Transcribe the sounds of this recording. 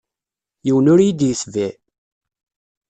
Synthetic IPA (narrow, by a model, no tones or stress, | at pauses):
jiwənʊɾjid̪jəsvi